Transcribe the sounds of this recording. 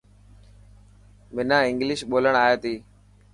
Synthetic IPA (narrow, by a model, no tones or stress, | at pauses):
mɪnãːɪ̃ŋɡlɪʃɓoːləɳaːeːt̪iː